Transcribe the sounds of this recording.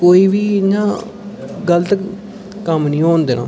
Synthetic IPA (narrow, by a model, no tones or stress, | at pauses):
koːiːʋiːɲãː | ɡəlt̪k | kəmnĩːɦõːnd̪eːnʔa̰ː